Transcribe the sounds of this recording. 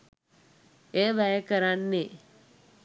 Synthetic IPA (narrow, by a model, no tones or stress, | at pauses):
eːʋæjəkəɾanːe